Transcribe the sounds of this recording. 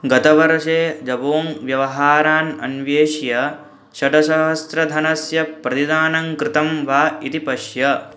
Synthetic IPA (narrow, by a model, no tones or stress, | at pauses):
ɡɐt̪ɐʋɐɾʃeːd͡ʒɐboːmʋjɐʋɐɦaːɾaːnɐ̰nʋjeːʃjɐ | ʃɐɖɐʃɐɦɐst̪ɾɐd̪ʱɐnɐsjɐpɾɐt̪id̪aːnɐŋkɾɪt̪ɐmʋaːit̪ipɐʃjɐ